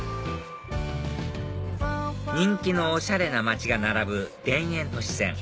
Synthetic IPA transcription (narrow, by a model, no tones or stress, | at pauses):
ɲ̟ĩŋkʲino̞ːɕaɾe̞namat͡ɕiɡanaɾabɯ̟d̪̥ẽ̞ɰ̃ẽ̞nt̪o̞ɕi̥sẽ̞̰ŋ